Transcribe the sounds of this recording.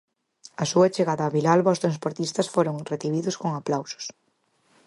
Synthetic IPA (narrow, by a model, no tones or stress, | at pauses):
ɐsuɐt͡ʃeɣaðɐːβilalβaost̪ɾanspoɾt̪ist̪ɐsfoɾoŋreθiβ̞iðʊskoŋaplawsʊ̥s